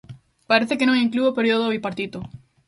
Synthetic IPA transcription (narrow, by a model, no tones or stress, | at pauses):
paɾeθekenõŋĩŋkluopeɾjoðoβipaɾt̪it̪o